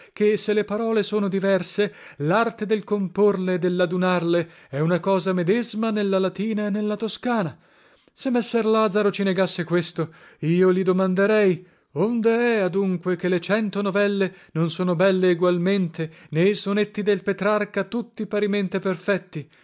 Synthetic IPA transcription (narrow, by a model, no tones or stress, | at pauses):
keselːepaɾɔːlesoːnod̪ivɛrselart̪ed̪elkomporleːd̪ːelːad̪unarle | ɛunakɔːzamed̪ezmanelːalat̪iːnaenːelːat̪oskaːna | semːesːɛrlad̪zaɾot͡ʃineɡasːekwest̪oiːolid̪omand̪eɾɛj | ond̪eɛad̪uŋkwek̟elet͡ʃɛnt̪onovɛlːenonsoːnobɛlːeːɡwalment̪ʰeneisonet̪ːid̪elpet̪ɾarkat̪ut̪ːipaɾiment̪iperfɛt̪ːi